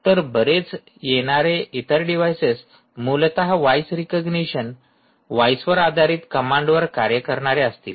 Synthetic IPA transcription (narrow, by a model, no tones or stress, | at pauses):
t̪əɾbəɾet͡s | jeɽ̃aɾeit̪əɾɖiʋajses | mult̪aɦaʋajsɾikəɡniɕən | ʋajsʋəɾad̪ʱaɾiːt̪kəmãɳɖʋəɾkaɾjəkəɾɳaɾeəst̪ḭːl